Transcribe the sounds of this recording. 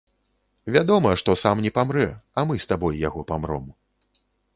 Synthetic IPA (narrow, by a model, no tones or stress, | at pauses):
vʲad̪ɔmɐʂt̪ɔsamnʲɛpamɾɛɐmɨst̪abɔjjaɣɔpamɾɔ̰m